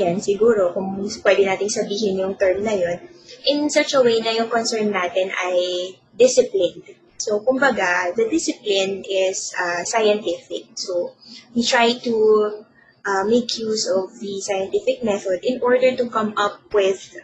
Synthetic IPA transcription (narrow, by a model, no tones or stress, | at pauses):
jansɪɡuːɾokʊŋpwɛd̪ɛnaːt̪ɪŋsɐbiːɦɪnjʊŋt̪ɛɹmnɐjo̞nʔɪ̃nsɐt͡ʃɐwejnɐjʊŋkonsɛɹnːaːt̪ɪnʔɐj | d̪ɪsɪplɪnd̪ | sokʊmbɐɡad̪ɐd̪ɪsɪplɪnɪsɐsajɐnt̪ɪfɪk̚sowit̪ɹajt̪u | ʔɐmejkʰjusɔvðisajɐ̃nt̪ɪfɪk̚mɛθod̪ɪ̃nʔɔɹd̪ɛɹt̪ukɐmʔɐp̚wɪð̥